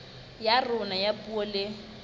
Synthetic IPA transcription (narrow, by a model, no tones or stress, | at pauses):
jarʊnajapʼuɔlɪ